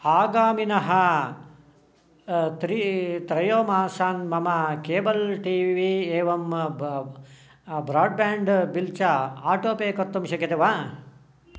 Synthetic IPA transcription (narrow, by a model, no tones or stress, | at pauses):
aːɡaːminɐɦɐ | t̪ɾit̪ɾɐjoːmaːsaːnmɐmɐkeːbɐlʈiːʋiːeːʋɐm | bɾaːɖ̚baːɳɖbilt͡ʃɐaːʈoːpeːkɐt̪ːumʃɐkɐt̪eʋaː